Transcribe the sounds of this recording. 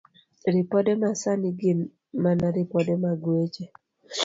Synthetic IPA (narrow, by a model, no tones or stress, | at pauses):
ɾɪpɔdɛmasaniɡɪn | manaɾɪpɔdɛmaɡwet͡ʃe